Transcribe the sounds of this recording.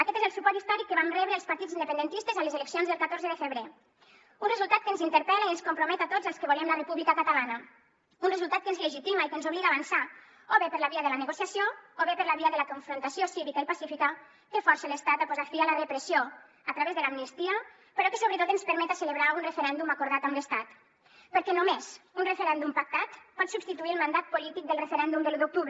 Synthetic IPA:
akɛt̪ezəlˠsupɔɾt̪ist̪ɔɾikːəβanrɛβɾeəlˠspaɾt̪id͡zind̪əpend̪ent̪ist̪ezamlezeleksionzðəlˠkat̪oɾzəðəfəβɾe | unrezulˠt̪at̪̚kənzint̪əɾpɛlaiənskumpɾumɛt̪at̪od͡zəlˠskəβolemlərepuβlikakat̪alanə | unrezulˠt̪at̪̚kənzleʒit̪imaikənzuβliɣaːβansa | oβepəɾlaβiəðəlanəɣosjasjooβepəɾlaβiəðələkuɱfɾunt̪asiosiβikaelpasifikə | t̪efɔɾsələst̪at̪apuzat̪fialəðəpɾəsio | at̪ɾaβezðəlamnist̪iə | pəɾɔkəsoβɾət̪ot̪ənspəɾmɛt̪aseləβɾaunrefeɾɛnd̪umakuɾð̞at̪amləst̪at̪ | pəɾkɛnumez̥unrefeɾɛnd̪umpak̚t̪at̪pɔt̪subst̪it̪uiəlˠmand̪at̪̚pulit̪ik̚d̪əlˠrəfeɾɛnd̪umd̪əlud̪uk̚t̪uβ

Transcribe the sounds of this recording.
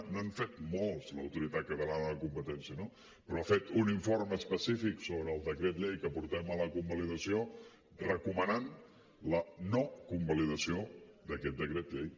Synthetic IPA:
naɱfet̪molˠzləwt̪uɾit̪at̪̚kət̪əlanəələkumpət̪ɛnsiəno | pɾɔafet̪uniɱforməspəsifiksoβɾəːlˠd̪əkɾet̪̬ʎejkəpuɾt̪ɛmələkumbəliðəsio | rəkumənan | lənokumbəliðəsiod̪əkɛt̪̚d̪əkɾet̪ʎej

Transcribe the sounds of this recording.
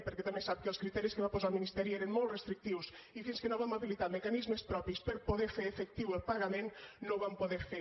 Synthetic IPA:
peɾkɛt̪amesap̚kəlˠskɾit̪ɛɾiskeβapozalminist̪ɛɾiɛɾenmolˠt̪rest̪ɾik̚t̪iws | ifinskenoβamaβilit̪aɾmekanizmespɾɔpispəɾpoðeɾfeɾefekt̪iwelˠpaɣamẽnnõwβampoðeɾfe

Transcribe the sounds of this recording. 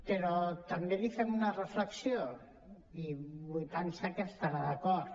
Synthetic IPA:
peɾɔt̪ambelifɛmunarəfləksio | iβujt̪ansakest̪aɾaðakɔɾt̪

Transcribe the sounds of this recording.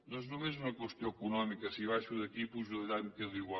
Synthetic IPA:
nɔ̃znõw̃ezumɐkwest̪jõkunɔmikɐsiβajʃuðɐt̪ipuzuðɐʎakɐðiɣwa

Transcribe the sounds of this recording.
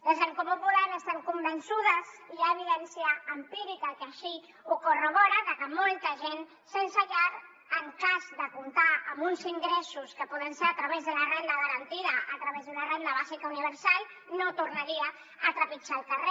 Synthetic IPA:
ləʒeŋkopupulaɾəst̪aŋkumbənsuðəziaəβ̞iðɛnsiəːmpiɾikəkəʃi | ukoroβɔɾəðəkəmolˠt̪əʒen | sənsəʎaɾ | əŋkazd̪əkunt̪aəmunziŋɡɾɛsuskəpɔðənseɾət̪ɾəβ̞ezðəlarend̪əðəɾənt̪iðəʔət̪ɾəβezðunarend̪əβ̞azikauniβ̞əɾsalˠ | not̪urnaɾiə | ət̪ɾəpit͡ʃaːlˠkəre

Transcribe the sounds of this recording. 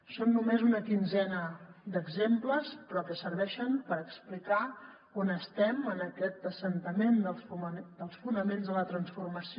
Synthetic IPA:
sonːumezunəkinzɛnəd̪əɡzempləspɾɔkəsəɾβɛʃəmpəɾəksplika | onəst̪ɛmənəkɛt̪əsənt̪əmend̪əfumd̪əlˠsfunəmenzðələt̪ɾənsfurməsi

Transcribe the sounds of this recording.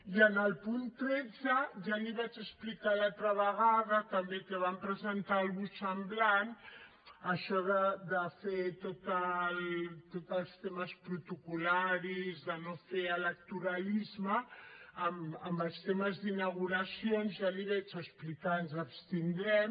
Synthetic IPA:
iənəlˠpunt̪ɾɛd͡zəʒaliβat͡ʃəsplikalat̪ɾəβəɣaðət̪əmbet̪əβampɾəzənt̪alˠβusəmblan | əʃɔðəd̪əfet̪ot̪əlt̪ot̪əlˠst̪eməspɾut̪ukulaɾizðənofeələk̚t̪uɾəlizməː | məmbəlˠst̪eməzðinəɣuɾəsionzʒaliβɛt͡ʃəsplikanzəpst̪ind̪ɾɛm

